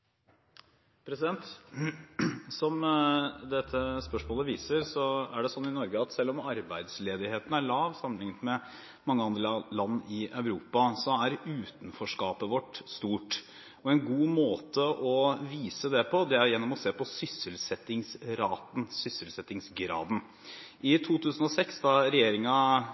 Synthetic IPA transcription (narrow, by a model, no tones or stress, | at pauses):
pʰɾɛsɪd̪ɛnt̪ | sɔmd̪ɛt̪ʰːəspœʂmoːləʋiːsəɾsɔæɖɛsɔnːɪnɔɾɡəɑt̪sɛlːɔmɑɾbæɪd̪sleːd̪ɪheːt̪ən̩æɭɑːʋsɑmənɪŋət̪mɛ | mɑŋːəɑnd̪ɾəlɑnːɪʔœʉɾuːpɑsɔæɾʉːt̪nfɔʂkɑːpəʋɔʈst̪uːʈ | ɔɛnɡuːmoːt̪əʔɔʋiːsəd̪ɛpʰɔd̪ɛæɾjɛnːɔmɔseːpɔsʏsəlsɛt̪ɪŋsɾɑːt̪n̩sʏsəlsɛt̪ɪŋsɡɾɑ̰ːd̪n̩ | ʔɪt̪ʰuːt̪ʰʉːsən̩ɔsɛksd̪ɑɾɛjeːɾɪŋɑ